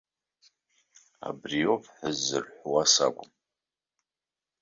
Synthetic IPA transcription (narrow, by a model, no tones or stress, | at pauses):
a̰briovħəzːɨrħʷwasa̰ɡʷʼʊm